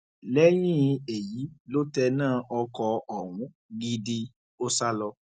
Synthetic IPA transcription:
lɛ˦j̃ĩ˦˨˧e˨ji˨˦lo˦tɛ˧nãː˦˨ʔɔ˧kɔ˧ɔ˨w̃ũ˨˦ | ɡi˧di˧ | o˦sa˦lɔ˧

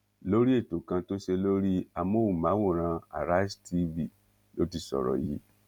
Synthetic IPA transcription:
lo˦ɾi˦e˦˨to˨kã˧to˦ʃe˧lo˦ɾi˦a˧mo˦wu˨mã˨˦wo˦˨ɾ̃ã˧a̰˨ɾa˦i˦sti˧vi˦˨ | lo˦ti˧˨sɔ̰˨ɾɔ̰˨jḭ˨˦

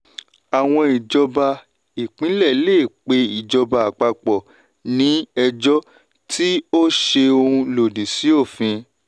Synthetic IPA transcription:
a˨w̃ɔ̃˧i˨d͡ʒɔ˧ba˧ | i˨k͡pĩ˨˦lɛ˦˨˦leː˦˨k͡pe˧i˨d͡ʒɔ˧ba˧a˨k͡pa˧k͡pɔ˨ | nĩ˨˦ɛ˧d͡ʒɔ˦ | tʰi˦o˦ʃe˧o˧ũ˧lo˨di˨si˨˦o˦˨fĩ˧

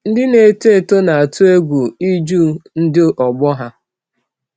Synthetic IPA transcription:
n̩˦dɪ˦ne˨te˦˨to˦na˨a˨tu˦e˦ɡʷu˨i˦d͡ʒu˦˨n̩˦dɪ˦ʔɔ˨ɡ͡bɔ˦ɦa˦

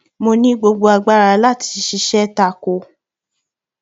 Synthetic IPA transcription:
mo˧nĩ˦ɡ͡bo˧ɡ͡bo˧a˧ɡ͡ba˦˨ɾa˧˦la˦˨ti̥˧˦ʃi˧˦ʃɛ˦ta˧˨ko˨˧

